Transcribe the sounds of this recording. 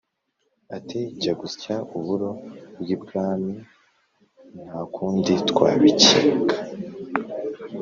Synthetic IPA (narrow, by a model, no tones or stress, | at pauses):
atʰecaɡuscauβuɾo̞bɡibɡaːmi | nhaːkuːnditkwa̰ːβiciːŋɡa